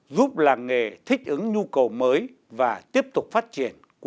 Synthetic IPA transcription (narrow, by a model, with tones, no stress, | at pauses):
zu˦˥p̚laː˨˩ŋŋe˨˩t̪ʰï˦˥k̟̚ʔɨ˨˦ŋɲu˧kə˨˩wməː˨˦j | vaː˨˩t̪i˦˥əp̚t̪ʊ˨˩k͡p̚faː˦˥t̚t͡ɕḭ˧˩ən | k